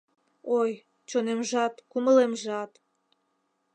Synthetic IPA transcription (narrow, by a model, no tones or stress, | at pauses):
oj | t͡ɕonemʒɑt̪kuməlemʒɑt̪